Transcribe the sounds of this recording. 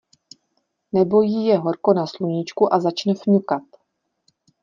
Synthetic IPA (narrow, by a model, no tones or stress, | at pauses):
nɛbo̞jijɛɦo̞ɾko̞nasluɲɪt͡ʃkuʔazat͡ʃnɛfɲukat̪